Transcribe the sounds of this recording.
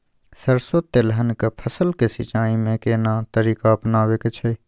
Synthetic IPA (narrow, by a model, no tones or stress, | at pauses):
səɾsoːt̪ːeləɦənkəpʰəsəlkesɪt͡ʃaːimẽkeːnaːt̪əɾiːkaɐpnaːʋeːket͡ʃʰe